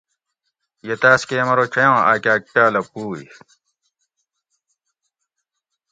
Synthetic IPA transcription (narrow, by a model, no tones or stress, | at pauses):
jet̪aːskeːmɐɾot͡ɕʰɐjõːʔaːkʲaːk̚paːlɐpuːḭ